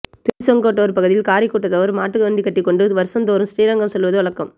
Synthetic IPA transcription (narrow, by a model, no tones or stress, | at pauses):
t̪ɪɾsɔŋɡoːʈːɐʋɐɾpɐɣɯðɪjɪlkaːɾɪkːoːʈːɐt̪ːɐʋɐɾmaːʈːɯɣɐʋɐnd̪ikːɐʈːɪkːɔɳɖɯʋɐɾɯsɐnd̪oːɾɯmsʈiːɾɐŋɡɐɭsɔlʋɐðɯʋɐɭɐkːɐm